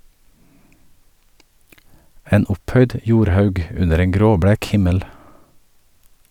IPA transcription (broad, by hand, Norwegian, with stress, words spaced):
ˈeːn ˈʊpˌhœʏd ə ˈjuːɾˌhɑʉɡ ˈʉnəɾ ˈeːŋ ˈɡɾoːˌbɽæːk ˈhɪməl